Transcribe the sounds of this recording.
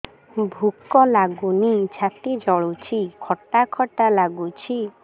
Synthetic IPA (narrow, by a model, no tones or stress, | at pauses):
bʱukːɔlaɡunit͡ɕʰapid͡ʒɔɭut͡ʃʰikʰɔʈakʰɔʈalaɡut͡ɕʰi